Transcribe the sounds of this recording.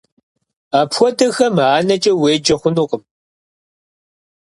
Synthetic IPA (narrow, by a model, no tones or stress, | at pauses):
aːpxʷɔdɐxɐmaːnɐt͡ʃʼɐweːd͡ʒɐχʷʊnuːqʼəm